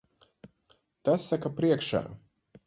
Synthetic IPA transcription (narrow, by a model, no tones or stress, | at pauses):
t̪asːakapɾiɛkʃa̰ː